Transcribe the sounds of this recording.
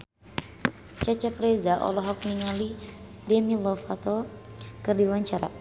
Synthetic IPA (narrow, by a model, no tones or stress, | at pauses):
t͡ʃat͡ʃapɾezaʔɔ̰lɔɦɔk̚niŋali | dɛmilɔfat̪ɔkɨrdiwaɲt͡ʃaɾa̰